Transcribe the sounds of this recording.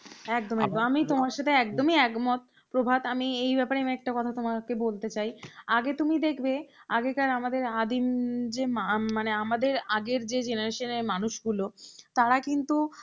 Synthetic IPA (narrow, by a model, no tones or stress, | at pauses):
ɛk̚d̪omiɛk̚d̪oamit̪omaɾʃat̪ʰeɛkd̪omiɛɡmɔt̪̚ | pɾobʱad̪amiejbɛpaɾeamɛk̚ʈakɔt̪ʰat̪omakebolt̪et͡ɕajaɡet̪umid̪ekʰbeaɡekaɾamad̪eɾad̪imd͡ʑemmaneamad̪eɾaɡeɾd͡ʑed͡ʑenaɾeʃoneɾmanuʃɡulot̪aɾakint̪u